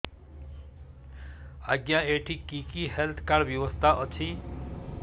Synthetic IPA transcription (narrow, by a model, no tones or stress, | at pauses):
aɡjaeʈʰikikiɦelt̪ʰkaɾbjʌwʌst̪ʰaʔʌt͡sʰi